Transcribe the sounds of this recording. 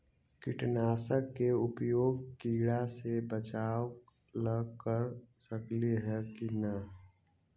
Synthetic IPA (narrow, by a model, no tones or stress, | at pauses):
kɪʈnaːsəkːeʊpjoːɡ̚kiːɽasebət͡ʃaːw | ləɡkəɾsəkliɦɛkinə